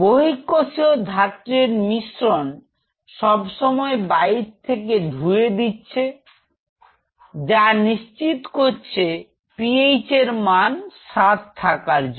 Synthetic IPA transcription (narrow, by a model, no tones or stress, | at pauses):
boɦikːoʃiod̪ʱat̪ːɾeɾmiʃɾon | ʃɔbʃɔmɔebajiɾt̪ʰːek̬ed̪ʱued̪itːɕʰe | d͡ʑaniʃt͡ɕit̪koɾt͡ɕʰe | piejt͡ɕeɾmanʃat̪t̪ʰakaɾd͡ʑ